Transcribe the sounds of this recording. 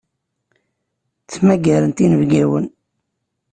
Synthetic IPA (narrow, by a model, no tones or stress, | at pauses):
t͡sːmæɡæɾənt̪inəvɡæwə̰n